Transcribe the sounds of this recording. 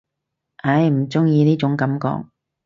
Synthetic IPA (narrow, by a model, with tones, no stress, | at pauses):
ɐ˧˥jm̩˨˩t͡sʊ˥ŋjiː˧niː˥t͡ʃʊ˨˥ŋkɐ˨˥mkɔ̰ː˧˥k̚